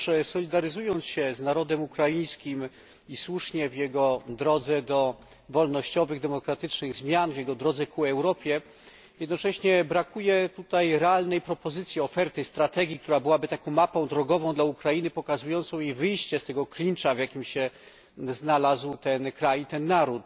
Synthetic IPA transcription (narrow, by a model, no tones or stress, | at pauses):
sɔlʲid̪aɾɘzujɔnt̪sɕɛznaɾɔd̪ɛmukɾajij̃skʲim | iswuʂɲɛvjɛɡɔd̪ɾɔd̪zɛd̪ɔ | vɔlnɔɕt͡ɕɔvɘɣd̪ɛmɔkɾat̪ɘt͡ʂnɘɣzmʲjanvjɛɡɔd̪ɾɔd̪zɛkʰuɛwɾɔpʲjɛ | jɛd̪nɔt͡ʂɛɕɲɛbɾakujɛt̪ut̪ajɾɛalnɛjpɾɔpɔzɘt̪sʲjiɔfɛɾt̪ɘst̪ɾat̪ɛɡʲikt̪uɾabɘwabɘt̪akɔ̃w̃mapɔ̃w̃d̪ɾɔɡɔvɔ̃w̃d̪laukɾajinɘpɔkazujɔnt̪sɔ̃w̃jijvɘjɕt͡ɕɛst̪ɛɡɔklʲint͡ʂavjakʲimɕɛ | znalazwt̪ɛnkɾajit̪ɛnːaɾut̪